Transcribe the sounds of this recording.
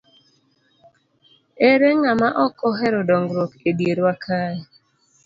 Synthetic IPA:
eɾeŋamaʔɔkɔɦɛɾɔdɔŋɡɾokedjeɾwakʰaɛ

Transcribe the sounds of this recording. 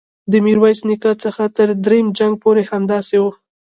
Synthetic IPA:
d̪əmiɾwajsnikɑt͡səxat̪əɾd̪ɾejmd͡ʒaŋɡ̚poɾehamd̪ɑsewo

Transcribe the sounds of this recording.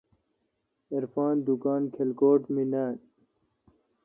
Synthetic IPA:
ɐɾfaːnd̪ukaːnkʰelɡoːʈminaːn

